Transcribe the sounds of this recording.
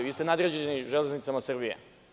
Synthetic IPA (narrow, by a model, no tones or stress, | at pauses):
ʋiːst̪enaːd̪ɾed͡ʑenniʒe̞le̞znit̪samasr̩bijḛ